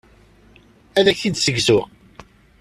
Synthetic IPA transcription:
æðæçid̪səɡzʊʁ

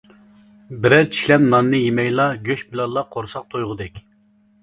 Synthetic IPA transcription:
bɪɾɛt͡ʃʰi̥ʃlɛpnɑnːɨjemɛjlˠɑɡʲøʃbɪlɑnlˠːɑqʰoɾsɑq̚t̪ʰojʁʊd̪ɛkʲ

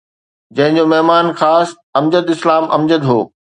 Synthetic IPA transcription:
d͡ʑɐ̃ɦɪ̃ɲd͡ʑomɐɦmaːnxaːs | ɐmd͡ʑəd̪ɪslaːmɐ̰md͡ʑəd̪ɦo̰ː

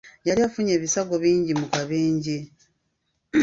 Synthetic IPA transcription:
jaɾiafuɲe̞ːβisaɡo̞βiːɲɟimukaβeːɲɟe

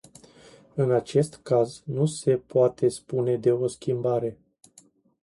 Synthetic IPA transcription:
ɨnat͡ʃe̞st̪kaznuse̞poat̪ʰe̞spune̞d̪e̞o̞skʲimbaɾe̞

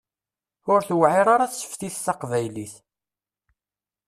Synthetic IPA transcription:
ʊɾθwʕiɾˤaɾɑθsə̥fθiθθɑqvæjliθ

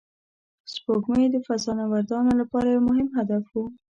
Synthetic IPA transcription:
spokməjd̪əfasɑnawaɾd̪ɑnolapɑɾajemʊɦɪmɦad̪afwu

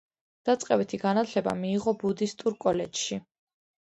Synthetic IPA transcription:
d̪̥at̪sʼqʼɛbit̪ʰiɡanat̪ʰlɛba̰miːʁɔbud̪ist̪ʼuɾkʼɔlɛd͡ʒʃi

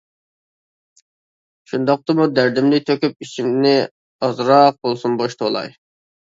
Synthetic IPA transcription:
ʃund̪ɑq̚t̪ɨmud̪æɾd̪ɪmlɪt̪ʰøkʲyp̚it͡ʃʰimnɪ | ɑzɾɑq̚bolˠsunboʃt̪ʰolˠɑ̰j

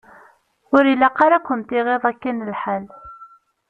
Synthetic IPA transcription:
ʊɾilːæqːɑɾakʷːəmt̪iʁeðˤækːænəlħal

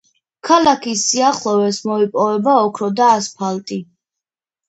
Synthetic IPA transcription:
kʰalakʰisːiaχlˠɔvɛsmɔipʼɔvɛbaɔkʰɾɔd̪aːspʰalt̪ʼi

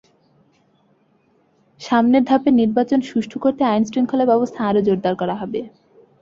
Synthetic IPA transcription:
ʃamneɾd̪ʱapeniɾbat͡ɕonʃuʃʈʰukoɾt̪eajnsʈɾiŋkʰolebɔbost̪ʰaaɾod͡ʑoɾd̪aɾkɔɾaɦɔbe

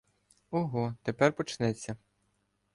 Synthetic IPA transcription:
ɔɦɔt̪epɛrpɔt͡ʃnɛt͡sʲːɐ

